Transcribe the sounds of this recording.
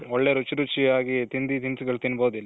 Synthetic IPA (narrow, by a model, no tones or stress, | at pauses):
ɔɭːeːɾut͡ʃiɾut͡ʃiaːɡit̪ind̪it̪insuɡɐɭt̪inːboːd̪ilːi